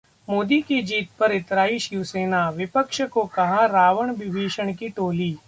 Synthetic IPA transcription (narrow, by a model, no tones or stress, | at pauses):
moːd̪ikid͡ʒiːt̪̚pɐɾɪt̪ɾaːiʃɪʋseːnaʋɪpəkʃkokɐɦãɾaːʋəɽ̃bɪʋiːʃəɽ̃kiʈoːliː